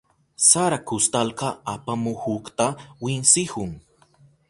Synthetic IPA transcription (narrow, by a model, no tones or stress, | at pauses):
saɾakʊst̪alkɑapamʊhʊkt̪awɪnsɪhʊŋ